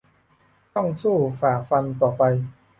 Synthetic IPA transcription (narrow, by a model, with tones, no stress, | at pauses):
t̪ɔ˥˩ŋsuː˥˩faː˨˩fa˧nt̪ɔː˨˩pa˧j